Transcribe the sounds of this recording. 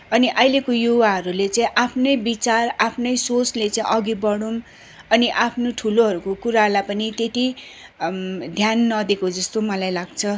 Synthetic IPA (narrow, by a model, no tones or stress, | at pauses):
ʌniʔʌjlekojuwaɦʌɾulet͡saĩʔapʰnʌjbit͡sarapʰnʌjsot͡slet͡saĩʔʌɡibʌɽum | ʌniʔapʰnoʈʰuloɦʌɾukokuɾalapʌnit̪et̪i | d̪ʱjanːʌd̪ekod͡zʌst̪omʌlajlaɡt͡sʰʌ